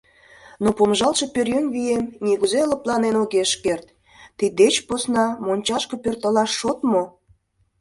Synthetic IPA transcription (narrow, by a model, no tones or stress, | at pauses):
nopomʒɑlʃe̽pørjønβijemnʲiɣuzelə̆plɑnenoɣeʃkert̪ | t̪ːid̪et͡ɕposnɑmonʲt͡ɕɑʃkɤpørt̪əlɑʃːot̪mo